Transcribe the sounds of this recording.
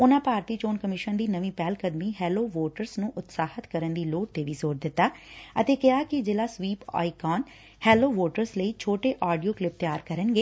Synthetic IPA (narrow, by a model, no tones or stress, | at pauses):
ʊnãːpaːɾt̪iːt͡ʃoːnkəmɪʃənd̪iːnəʋĩːpɛːlkəd̪miːɦɛːloːʋoːʈəɾsnũːʔʊt̪saːhət̪kəɾənd̪iːloːʈ̚t̪eːʋizoːɾd̪ɪt̪ːaːət̪eːkɪaːkɪd͡ʒɪlaːsʋiːpa̰ːikaːn | hɛːloːʋoːʈəɾsləiːt͡ʃʰoːʈeːʔaːɖijoːklɪp̚t̪ɪjaːɾkəɾənɡeː